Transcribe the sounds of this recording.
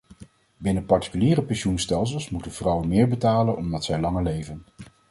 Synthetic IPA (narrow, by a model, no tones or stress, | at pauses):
bɪnəpɑɹti̥kyliːrəpɛnʃunstɛlˠs̬əlˠsmutənv̥rʌwənmɪːɹbətaːlənʔɔmdɑtsɛjlɑŋəɹlejvən